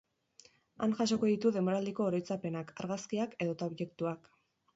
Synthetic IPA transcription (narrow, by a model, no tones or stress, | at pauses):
anʝaʃo̞ko̞ðit̪uð̞e̞mbo̞ɾald̪iko̞ːɾo̞jt͡sape̞nakaɾɣaskiake̞ðo̞t̪aoβʝe̞k̚t̪uak